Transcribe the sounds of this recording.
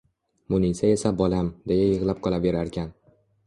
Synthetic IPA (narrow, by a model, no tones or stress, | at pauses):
mʊnisae̞sabɒlamd̪e̞jajɨʁlˠap̚qʰɒlˠave̞ɾaɾkʲʰan